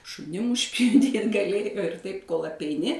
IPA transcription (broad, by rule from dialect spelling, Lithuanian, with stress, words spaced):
ʃʊˈnʲɪm ʊʃʲpʲjʊˈdʲiːt ɡɐˈlʲeːjoː ɪr ˈtɐɪp koːlˠ ɐpʲɛɪˈnʲɪ